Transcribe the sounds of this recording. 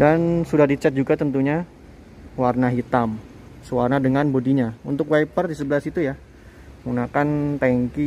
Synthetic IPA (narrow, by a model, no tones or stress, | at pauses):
dansudahdit͡ʃɛt̪̚d͡ʒuɡat̪ənt̪uɲa | warnaɦit̪am | səwarnadəŋanbodiɲaunt̪ʊkwajpərdisəbəlasit̪uja | ɡunakant̪ɛŋki